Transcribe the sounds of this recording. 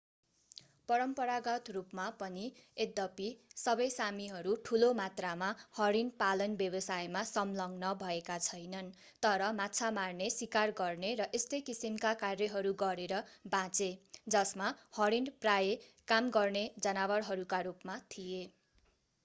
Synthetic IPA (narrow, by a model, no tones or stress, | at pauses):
pʌɾʌmpʌɾaɡʌt̪rupmapʌnied̪ʌpisʌbʌjsamiɦʌɾuʈʰulomat̪ramahʌɾinpalʌnbjʌbʌsajmasʌmlʌŋnʌbʱʌekat͡sʰʌjnʌn | t̪ʌɾʌmat͡sʰamarnesikarɡʌrneɾʌʔest̪ʌjkisimkakarjʌɦʌɾuɡʌɾeɾʌbãt͡sed͡zʌsmahʌɾinprajekamɡʌrned͡zʌnawʌrɦʌɾukarupmat̪ʰije